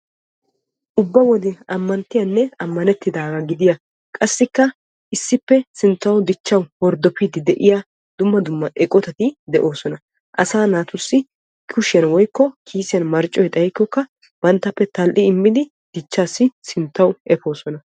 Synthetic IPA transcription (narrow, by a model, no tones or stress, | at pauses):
ʔʊbːɐwɔd̪ɛɐmːɐnt̪ːɪjɐnːɛɐmːɐnɛt̪ːɪd̪aːɡɐɡɪd̪ɪja | kʼɐsːɪkːɐ | ʔɪsːɪpːɛsɪnt̪ːɐwd̪ɪt͡ʃːɐwwɔɾd̪ɔpid̪ɪd̪ɛʔɪja | d̪̥ʊmːɐd̪ʊmːɐʔɛkʼɔt̪ɐt̪ɪd̪ɛʔo̞ːsɔnɐ | ʔɐsaːnaːt̪ʊsːɪ | kʰʊʃɛnwɔjkːɔkʰiːsɪjɐnmɐɾt͡ʃʼːɔjt̪ʼɐjkːɔkːɐ | b̥ɐnt̪ːɐpːɛt̪ɐlʔɪɪmːɪd̪ɪ | d̪̥ɪt͡ʃːaːsːɪsɪnt̪ːɐwʔɛpo̞ːsɔnɐ